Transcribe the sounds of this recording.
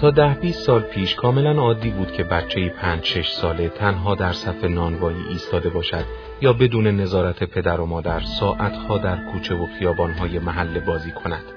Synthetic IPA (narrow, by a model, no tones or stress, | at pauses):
t̪ʰɒːd̪æhbiːst̪sɒːlpʰiːʃkʰɒːme̞lænɒːd̪ːiːbuːd̪̚cʰe̞bæt͡ʃʰːe̞jiːpʰæːnd͡ʒʃe̞ʃsɒːle̞t̪ʰænɦɒːd̪æɾsæfe̞nɒːnvɒːiːʔiːst̪ɒːd̪e̞bɒːʃæd̪̥ | jɒːbe̞d̪uːne̞ne̞zɒːɾæt̪ʰe̞pʰe̞d̪æɾo̞mɒːd̪æɾsɒːʔæt̪ʰhɒːd̪æɾkʰuːt͡ʃʰe̞voxijɒːbɒːnɦɒːje̞mæɦælːebɒːziːkʰo̞næd̪̥